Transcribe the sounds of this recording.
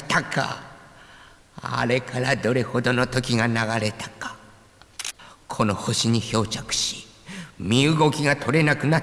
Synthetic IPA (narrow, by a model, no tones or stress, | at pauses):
t̪akʰa̰ | a̰ɾe̞kʰaɾad̪o̞ɾe̞ho̞d̪o̞no̞t̪o̞kʲiɡanaɡaɾe̞t̪ḁkḁ | kʰo̞no̞ho̞ɕiɲ̟iço̞ːt͡ɕakɯ̟̥ɕi̥ | mʲiɯɡo̞kʲiɡat̪ʰo̞ɾe̞nakɯ̟na